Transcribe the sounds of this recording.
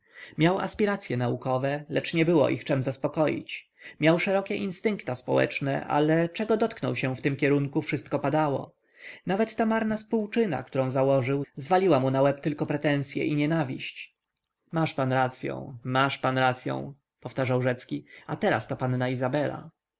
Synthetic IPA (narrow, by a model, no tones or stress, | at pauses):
mʲjawa̰spʲiɾat̪sʲjɛnaukɔvɛlɛt͡ʂɲɛbɘwɔ̰ʔixt͡ʂɛmzaspɔkɔjḭt͡ɕ | mʲjawʂɛɾɔkʲɛʔinst̪ɘŋkt̪aspɔ̰wɛ̰t͡ʂnɛ̰ʔa̰lɛt͡ʂɛɡɔd̪ɔt̪knɔ̰wɕɛ̃ft̪ɘmkʲɛɾuŋkufʂɘst̪̚kɔpad̪awɔ̰ | navɛt̪ːamaɾnaspuwt͡ʂɘna̰kt̪uɾɔ̃w̃zawɔʐɘwzvalʲiwamunawɛpt̪ɘlkɔpɾɛt̪ɛ̃w̃sʲjɛ̰ʔiɲɛnavʲiɕt͡ɕ | maʂpanɾat̪sʲjɔ̰̃w̃maʂpanɾat̪sʲjɔ̰̃w̃ | pɔft̪aʐawʐɛt̪skʲiat̪ɛɾa̰st̪apanːaizabɛla̰